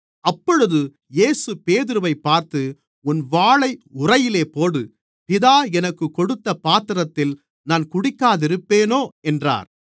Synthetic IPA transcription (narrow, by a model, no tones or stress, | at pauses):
ɐpːɔɻɯðɯ | jeːsɯpeːðɪɾɯʋɐɪpːaːɾt̪ɯ | ʊnʋaːɭɐɪʊrɐjɪleːpoːɽɯ | pɪðaːɛnɐkːɯkːɔɽɯt̪ːɐpaːt̪ɪɾɐt̪ːɪl | naːnkʊɽɪkːaːðɪɾɯpːeːnoːɛndra̰ːɾ